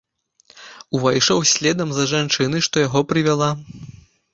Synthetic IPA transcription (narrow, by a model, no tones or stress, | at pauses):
uvajʂɔwsʲlʲɛd̪ɐmzɐʐant͡ʂɨnɨʂt̪ɔjaɣɔpɾɨvʲalˠa